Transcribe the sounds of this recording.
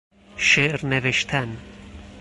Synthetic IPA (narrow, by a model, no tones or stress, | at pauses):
ʃeʔɾneveʃt̪ʰæn